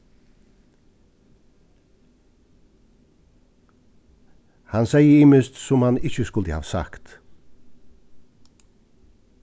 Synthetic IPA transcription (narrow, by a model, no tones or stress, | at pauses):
hɑnsæɪəɪmɪst̪sʊmhɑnɪçəskʊld̪əhɑ̰ːʋsa̰kt̪